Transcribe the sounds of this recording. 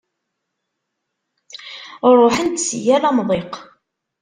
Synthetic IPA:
ɾˤoħənt̪sijælæmðˤeq

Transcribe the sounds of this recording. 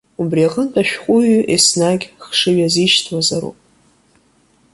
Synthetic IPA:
ubriaqʼəntʼaʃᶣqʷʼʊɥʔesnaɡʲχʂɨɥaziʃtʰwazaɾṵpʼ

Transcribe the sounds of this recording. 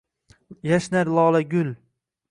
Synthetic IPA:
jaʃnaɾlˠɒːlˠaɡʲʊl

